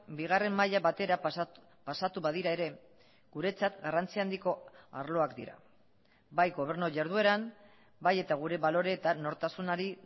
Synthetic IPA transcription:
biɣare̞mːaʎaβat̪e̞ɾa | pasat̪uβað̞iɾae̞ɾe̞ | ɣ̥uɾe̞t͡sat̪ɡarant͡siand̪iko̞aɾlo̞akd̪ḭɾa̰ | bajɣo̞β̞e̞ɾnoʝaɾðue̞ɾam | baje̞t̪aɣ̞uɾe̞βalo̞ɾe̞t̪ano̞ɾt̪asunaɾi

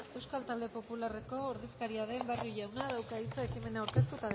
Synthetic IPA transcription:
ewskalt̪ald̪epo̞pulare̞ko̞ːɾðiskaɾiaðe̞mbarjuʝawnaðawkait͡sae̞kime̞naːwɾke̞s̬t̪ut̪að

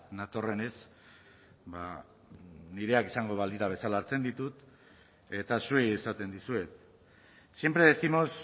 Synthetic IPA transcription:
nat̪o̞re̞ne̞s | ba̰ | niɾe̞akisaŋɡo̞βald̪iɾaβ̞e̞salaːɾt͡se̞nd̪it̪ut̪ | e̞t̪asue̞jesat̪e̞nd̪isue̞t̪ | sjempɾeðesimo̞s

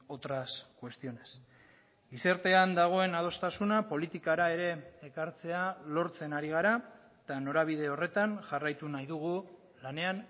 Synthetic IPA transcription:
o̞t̪ɾaskwe̞st̪io̞ne̞s | ise̞ɾt̪e̞and̪aɣ̞o̞e̞naðo̞st̪asunapo̞lit̪ikaɾae̞ɾe̞ːkaɾt͡se̞alo̞ɾt͡se̞naɾiɣ̞aɾa | t̪ano̞ɾaβ̞ið̞e̞o̞re̞t̪anʝarajt̪unajðuɣ̞u | lane̞an

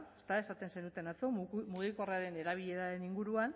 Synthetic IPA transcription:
st̪ae̞sat̪e̞nsenut̪e̞nat͡so̞muɣ̞iko̞reaɾe̞ne̞ɾaβ̞iʎe̞ðaðeniŋɡuɾuan

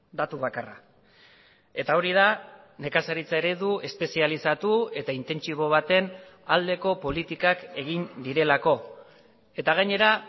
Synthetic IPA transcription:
d̪at̪uβakara̰ | e̞t̪ao̞ɾiða | ne̞kasaɾit͡sae̞ɾe̞ðue̞spe̞sialisat̪ue̞t̪aint̪e̞nt͡ʃiβ̞o̞β̞at̪e̞nald̪e̞ko̞po̞lit̪ikake̞ɣind̪iɾe̞lako̞ | e̞t̪aɣ̞aɲe̞ɾa

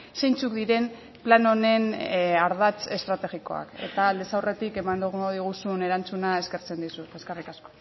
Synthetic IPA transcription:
se̞jnt͡sukd̪iɾe̞m | plano̞ne̞naɾð̞at͡se̞st̪ɾat̪e̞ɣiko̞̰a̰ke̞̰t̪aːld̪esawre̞t̪ike̞maŋd̪oɣuŋɡoð̞iɣ̞usune̞ɾant͡sunae̞ske̞ɾt͡se̞nd̪isut̪e̞skarikasko̞̥

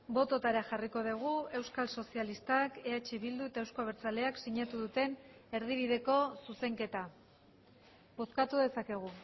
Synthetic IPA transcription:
bo̞t̪o̞t̪aɾaxariko̞ðiɣ̞ue̞wskalso̞sialist̪ake̞at͡ʃe̞βild̪ue̞t̪ae̞wskoβ̞e̞ɾt͡sale̞aksiɲat̪uðut̪e̞ne̞ɾð̞iβ̞iðe̞ko̞suse̞ŋke̞t̪a | bo̞skat̪uðe̞sake̞ɣ̞u

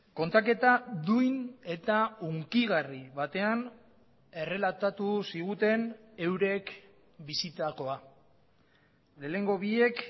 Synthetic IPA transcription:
ko̞nt̪ak̬e̞t̪aðujne̞t̪auŋkiɣariβat̪e̞an | e̞re̞lat̪at̪usiɣ̞ut̪e̞ne̞wɾe̞k | bisit̪ako̞a | le̞ːne̞ŋɡo̞βie̞k

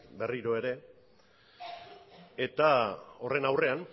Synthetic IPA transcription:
be̞riɾo̞e̞ɾe̞ | e̞t̪ao̞re̞nawre̞an

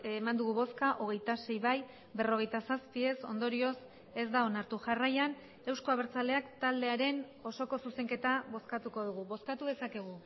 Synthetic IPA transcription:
mand̪uɣ̞uβo̞skaʔo̞ɣ̞e̞jt̪ase̞jβaj | βe̞ro̞ɣ̞e̞jt̪asaspie̞so̞nd̪o̞ɾio̞s | e̞zd̪ao̞naɾt̪uʝarajan | e̞wsko̞aβeɾt͡sale̞akt̪ald̪e̞aɾe̞n | o̞so̞ko̞suse̞ŋke̞t̪aβo̞skat̪uko̞ð̞uɣ̞uβo̞skat̪uð̞e̞sake̞ɣ̞u

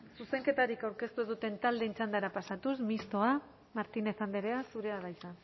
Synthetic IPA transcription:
suse̞ŋke̞t̪aɾikawɾke̞st̪uðut̪e̞nt̪ald̪e̞nt͡ʃand̪aɾapasat̪usmist̪o̞a | maɾt̪ine̞θand̪eɾe̞asuɾe̞aðajsa

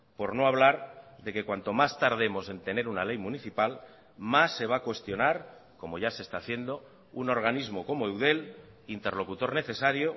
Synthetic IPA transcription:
po̞ɾno̞aβ̞laɾðe̞ke̞kwant̪o̞mast̪aɾðe̞mo̞se̞nt̪e̞ne̞ɾunale̞jmuniθipal | masːe̞β̞akwe̞st̪jo̞naɾko̞mo̞ʝase̞st̪aːθje̞nd̪o̞ | uno̞ɾɣanizmo̞ko̞moewðe̞l | int̪eɾlo̞kut̪o̞ɾne̞θe̞saɾjo

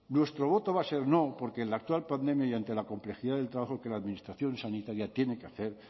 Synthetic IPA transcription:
nwe̞st̪ɾo̞β̞o̞t̪o̞βase̞ɾno̞po̞ɾke̞ːnlak̚t̪walpand̪e̞mjajant̪e̞lako̞mple̞xiðaðe̞lt̪ɾaβaxoke̞laːðmĩnist̪ɾaθjo̞nsanit̪aɾjat̪je̞ne̞keaθe̞ɾ

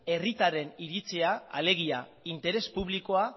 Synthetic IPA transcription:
e̞rit̪aɾe̞niɾit͡seaa̰le̞ɣ̞iaint̪e̞ɾe̞spuβ̞liko̞a

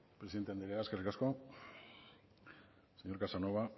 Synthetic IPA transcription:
pɾeiðet̪eand̪eɾeaskerikasko̞ | seɲo̞ɾkasano̞βa

